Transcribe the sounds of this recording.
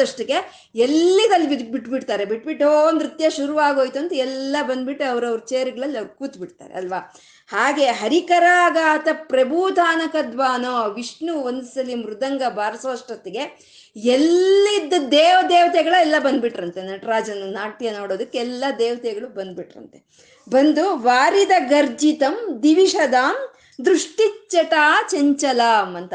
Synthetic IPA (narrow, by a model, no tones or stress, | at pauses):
ɐʂʈɐɡe̞ | elːid̪ɐlːibibiʈbiʈt̪aːɾebiʈbiʈːond̪ɾit̪jɐʃuɾuʋaːɡoːjt̪uɐnt̪uɛlːɐbɐnd̪̚biʈːuɐʋɐɾɐʋɐɾut͡ʃeːjɐɾuɡɐɭɐlːiɐʋɾkuːt̪biʈt̪a̰ːɾḛɐlʋaː | haːɡe̞ːɦɐɾikɐɾaːɡaːt̪ɐpɾɐbuːd̪ʱaːnɐkɐd̪ʋaːnoːʋiʂɳuʋɐnd̪sɐlimɾud̪ɐŋɡɐbʱaːɾɐsoːʂʈɾɐt̪eɡe̞ | elːid̪ːud̪eːʋɐd̪eːʋɐt̪jɐɡɐɭɐɛlːɐbɐnd̪biʈːɐɾɐnt̪e̞nɐʈɾaːd͡ʒɐnːɐnaːʈijɐno̞ːɽoːd̪ɐkːeɛlːɐd̪eːʋɐt̪jɐɡɐɭubɐnd̪̚biʈɾɐ̰nt̪e | bɐnd̪uʋaːɾid̪ɐɡɐɾd͡ʒit̪ɐmd̪iʋiʂɐd̪aːm | d̪ɾuʂʈit͡ʃːɐʈaːt͡ʃeɲt͡ʃɐlaːmɐnt̪ɐ